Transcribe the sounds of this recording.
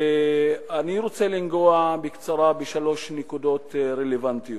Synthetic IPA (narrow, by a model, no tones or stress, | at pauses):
eaniɾo̞t͡se̞linɡoabekt͡saʁabeʃalo̞ʃnekud̪o̞t̪ɾelevant̪ijo